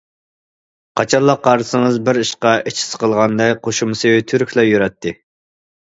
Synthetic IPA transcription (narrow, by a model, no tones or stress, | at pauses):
qʰɑt͡ʃʰɑlˠːɑqːɑɾsɨŋəzbɪɾiʃqɑʔet͡ʃʰɪ̥sqʰəlˠʁɑnd̪ɛkqʰoʃumsɨt̪ʰyɾkʲʰlˠɛjøɾɛt̪ʰːɪ